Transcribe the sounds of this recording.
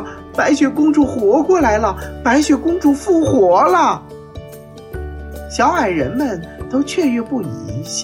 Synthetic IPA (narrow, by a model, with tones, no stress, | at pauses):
pa˧˥ɪɕɥɛ˧˥˩kʊ˥ŋʈ͡ʂu˥˩xwɔ˧˥kwɔ˥˩la˧˥ɪlə˧pa˧˥ɪɕɥɛ˧˥˩kʊ˥ŋʈ͡ʂu˥˧fu˥˩xwɔ˧˥lə˥˨ | ɕjɑ˧˥ʊxa˨˩ɪɻə˧˥nmə˧nt̪o˥ʊt͡ɕʰɥɛ˥˩ɥɥɛ˧˥pu˥˩i˧˥ɕ